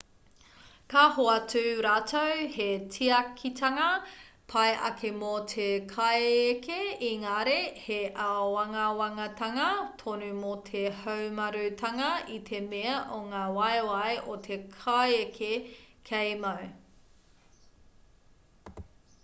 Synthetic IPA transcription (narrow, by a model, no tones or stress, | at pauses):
kaɦoɐtʉːɾaːtʰowhetʰiɐkʰitʰɐŋɐpʰɐejʔɐ̰kʰemot̪ʰekʰajekʰeiŋaɾeheʔawɐŋɐwɐŋɐtʰɐŋɐtʰonʉmotʰehɐwmɐɾʉtʰɐŋɐit̪ʰemeɐʔoŋaːwɐjwɐjʔot̪ʰekʰajekʰekʰejmɐw